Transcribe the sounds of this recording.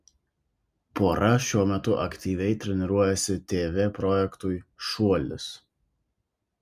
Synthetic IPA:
poːɾɐʃʲuɔmʲɛt̪ʊʔɐkt̪ʲiːʋʲɛɪt̪ʲɾʲɛnʲɪɾuɔjɛsʲɪt̪ʲeːʋʲeːpɾɔjɛkt̪ʊjʃuɔlʲɪ̰s

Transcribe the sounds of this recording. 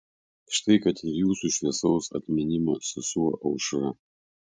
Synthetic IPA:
ʃt̪ɐɪkɐt̪ɪɾjuːsuʃʲʋʲiɛsɔʊsɐ̰t̪ʲmʲɪnʲɪmɐsɪsuɔʔɐʊʃɾɐ

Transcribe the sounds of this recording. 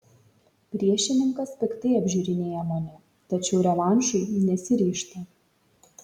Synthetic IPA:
pʲɾʲiɛʃʲɪnʲɪŋkɐspʲɪkt̪ɐɪɐbʲʒʲuːɾʲɪnʲeːjɛmɐːnʲɛ | t̪ɐt͡ʃʲɛʊɾʲɛlˠɑˑnʲʃʊɪnʲɛsʲɪɾʲiːʃʲt̪ʲɐ

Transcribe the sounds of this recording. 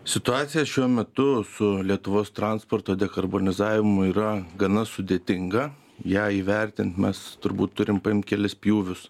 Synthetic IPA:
sʲɪt̪ʊɑːt̪sʲɪjɛsʃʲuɔmʲɛt̪ʊsʊlʲiɛt̪ʊʋoːst̪ɾɑnspoːrt̪oːd̪ʲɛkɐrboːnʲɪzɑːʋʲɪmʊiːɾɐɡɐnɐsʊd̪ʲeːt̪ʲɪŋɡɐ | jæːiːʋʲɛɾʲt̪ʲɪnt̪mʲɛst̪ʊɾbuːt̪tːʊɾʲɪmpɐɪmt̪̚kʲɛlʲɪspʲjuːʋʲʊs

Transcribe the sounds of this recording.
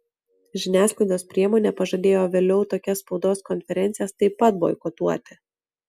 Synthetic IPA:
ʒʲɪnʲæːsklˠɐɪd̪ʲoːspʲɾʲiɛmoːnʲeːpɐʒɐd̪ʲeːjoːʋʲeːlʲɛʊt̪oːkʲɛsspɒʊd̪oːskɔnʲfʲɛɾʲɛnʲt̪sɪjɛst̪ɐɪpːɐt̪̚bo̰ɔ̰kot̪uɔt̪ʲɪ

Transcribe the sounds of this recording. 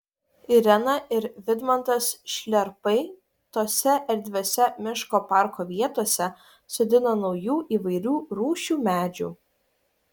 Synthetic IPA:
ɪɾʲɛnɐʔɪɾʋʲɪd̪mɐnt̪ɐsʃʲlʲɛɾpɐɪ | t̪oːsʲɛʔɛɾʲd̪ʲʋʲoːsʲɛmʲɪʃkoːpɑˑɾkoːʋʲiɛt̪oːsʲɛ | sʊd̪ʲɪnoːnɒʊjuːʔiːʋɐɪɾʲuːɾuːʃʲuːmʲæːd͡ʒʲṵː

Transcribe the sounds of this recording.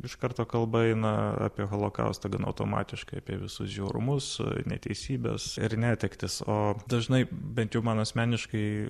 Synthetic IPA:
ɪʃkɐɾt̪oːkɐlˠbɐɛɪnɐɑ̰ːpʲiɛɣoːlˠoːkɐ̰ʊst̪ɐɡɐnɐ̰ʊt̪o̰ːmɑ̰ːt̪ʲɪʃkɐɪɐpʲiɛʋʲɪsʊsʒʲɛʊɾʊ̰mʊsnʲɛ̰t̪ʲɛ̰ɪsʲiːbʲɛ̰sɪɾnʲæːt̪ʲɛkt̪ʲɪsoːd̪ɐʒnɐɪbʲɛnt̪jɛʊmɐnɐsʲmʲæːnʲɪʃkɐɪ

